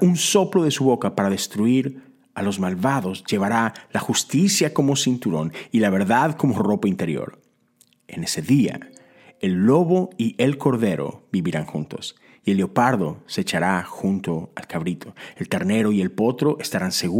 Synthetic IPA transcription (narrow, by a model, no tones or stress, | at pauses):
unso̞plo̞ðe̞suβo̞kapaɾaðe̞st̪ɾuiɾ | alo̞zmalβaðo̞zʝe̞β̞aɾalaxust̪isjako̞mo̞sint̪uɾo̞̰nilaβ̞e̞ɾðaðko̞mo̞ro̞paint̪e̞ɾjo̰ɾ | e̞̰ne̞se̞ðia̰ | e̞lːo̞βo̞ie̞lko̞ɾðe̞ɾo̰biβiɾaŋxṵnt̪o̞̰s | ie̞lːeopaɾðo̞set͡ʃaɾaxunt̪oa̰lkaβɾit̪ʰoelt̪eɾne̞ɾo̞ie̞lpo̞t̪ɾo̞ʔest̪aɾanse̞ɣ